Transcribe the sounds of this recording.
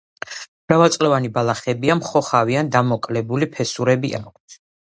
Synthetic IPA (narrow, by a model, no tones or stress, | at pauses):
b̥ɾavalˠt̪sʼlɛvanibalˠaχɛbiamχɔχaviand̪amɔkʼlɛbulipʰɛsuɾɛbiʔa̰k